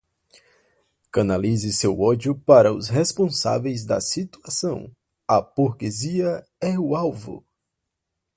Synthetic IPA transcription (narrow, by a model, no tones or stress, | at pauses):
kɐ̃nalizɪsewɔd͡ʒjʊpaɾɐʊ̰sɦespõsa̰vejzd̪ɐ̰sit̪uasɐ̃w̃ | ɐpoɾkeziɐ | ɛʊawvʊ̰